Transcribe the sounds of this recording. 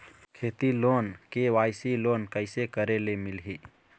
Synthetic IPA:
kʰeːt̪iloːnkeʋajsiloːnkəɪsekəɾelemilɦi

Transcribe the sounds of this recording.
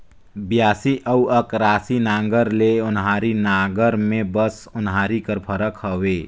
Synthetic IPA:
bjaːsiʔəuəkɾaːsinãːŋɡəɾleʊnɦaːɾinaːɡəɾmẽbəsʊnɦaːɾikəɾpʰəɾəkɦəweː

